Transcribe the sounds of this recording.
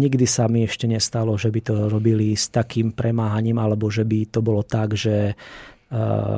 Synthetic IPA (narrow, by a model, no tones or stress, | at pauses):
ɲiɡd̪isamiɛʃcɛɲɛst̪alɔʒɛbit̪ɔɾɔbilist̪akiːmpɾɛmaːɦaɲiːmalɛbɔʒɛbit̪ɔbɔlɔt̪aɡʒɛ